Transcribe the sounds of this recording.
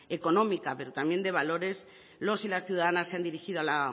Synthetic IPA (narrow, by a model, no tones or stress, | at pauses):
e̞ko̞nõ̞mikape̞ɾo̞t̪amje̞nd̪e̞β̞alo̞ɾe̞s | lo̞silasθjuðaðanasːe̞and̪iɾixiðoala